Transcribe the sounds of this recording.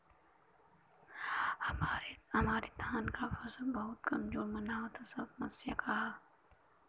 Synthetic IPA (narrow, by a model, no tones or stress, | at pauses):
mːɾhɐmaːɾid̪ʰʱaːnkafɐsəlbɐɦʊt̪kɐmd͡ʒoːmənaːot̪ʰasɐbmɐsjə̰ka